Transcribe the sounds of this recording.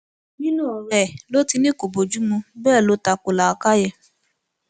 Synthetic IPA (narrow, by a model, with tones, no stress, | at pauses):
nĩ˦nũ˦ɔ˨ɾɛ˨lo˦ti˧nĩ˦ko˨bo˨d͡ʒu˨˦mũ˧bɛː˦˨lo˨˦ta˧ko˨la˨˧ka˦jɛ˦˨